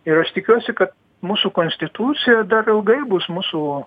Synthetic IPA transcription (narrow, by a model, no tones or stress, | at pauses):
ɪɾɐʃt̪ʲɪkʲuɔsʲɪkɐt̪̚ | muːsuːkoːnʲsʲt̪ʲɪt̪uːt͡ssʲɪjɛd̪ɐrɪlˠɡɐɪbʊsmuːsu